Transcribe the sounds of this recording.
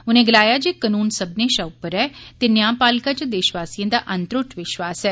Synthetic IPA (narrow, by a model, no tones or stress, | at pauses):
ʊnẽːɡəlaːjaːd͡ʒeːkənuːnsəbneːʃaupəɾɛːt̪eːnɪjaːpaːlkaːt͡ʃəd̪ɪʃʋaːsijə̃d̪aːʔə̃nt̪ɾʊʈʋɪʃʋaːsɛː